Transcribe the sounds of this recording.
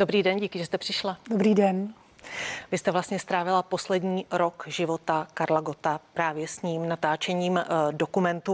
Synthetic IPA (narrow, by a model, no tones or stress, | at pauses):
dobɾiːdɛnɟikɪʒɛst̪ɛpr̝̥ɪʃladobɾiːdɛn | vɪst̪ɛvlast̪ɲɛst̪ɾaːvɪlapo̞slɛdɲiːɾo̞kʒɪvo̞t̪akaɾlaɡo̞t̪apɾaːvjɛsɲiːmnat̪aːt͡ʃɛɲiːmdo̞kumɛnt̪u